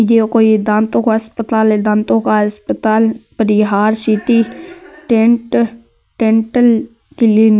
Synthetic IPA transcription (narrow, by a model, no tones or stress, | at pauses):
jekoːid̪ãːnt̪õkaəspət̪aːled̪ãːnt̪õkaɦəspət̪aːlpəɾɪɦaːɾsiːt̪iʈeʈ | ʈẽːɳʈəl | kelen